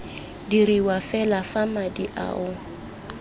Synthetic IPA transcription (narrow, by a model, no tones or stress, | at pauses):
diɾiwafɛlafamadiʔa̰ːʊ